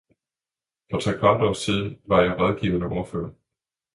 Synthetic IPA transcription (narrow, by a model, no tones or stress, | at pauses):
fʁɑ̈t͡sʰʁɛkʰʋɑ̈d̥ɒst͡sʰið̞ˠʋɑ̈jɑ̈ɪʁɔð̞ˠɡ̥ḭːʊɐnəʔoɐfø̰ːɐ